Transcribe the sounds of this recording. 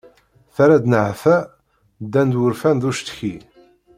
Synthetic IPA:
θaɾæd̪nəʕfæ | d̪ːænd̪wʊɾfænðuʃt̪çi

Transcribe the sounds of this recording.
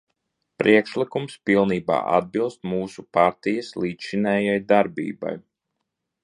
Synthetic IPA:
pɾʔiɛkʃlikumspilˠniːba̰ːʔa̰d̪̚bilˠst̪̚muːsupaɾt̪ijɐslˠiːt̪ʃinɛːjajd̪aɾbḭːba̰j

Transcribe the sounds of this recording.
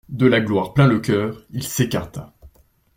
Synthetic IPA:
d̪əlaɡlwaʁplɛ̃ləkʲœːʁilsekaʁt̪a

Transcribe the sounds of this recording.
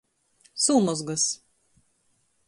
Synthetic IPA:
suːmɔzɡɐs

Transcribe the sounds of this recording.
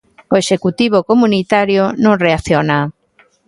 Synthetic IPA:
oeʃekut̪iβ̞okomunit̪aɾjonõŋreaθjona

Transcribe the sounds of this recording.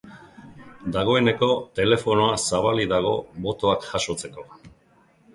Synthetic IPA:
d̪aɣ̞o̞e̞ne̞ko̞t̪e̞le̞fo̞no̞asaβ̞aliðaɣ̞o̞bo̞t̪o̞akʝaʃo̞t͡se̞ko̞

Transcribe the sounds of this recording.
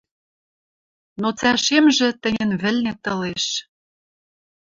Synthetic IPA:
not͡sæʃemʒĕt̪ɘ̆nʲə̆nβɘ̆lnĕt̪ɤ̆leʃ

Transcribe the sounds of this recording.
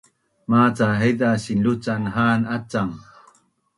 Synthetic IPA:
maːt͡saɦejd̪aɕinlut͡sanɦaːnat͡saŋ

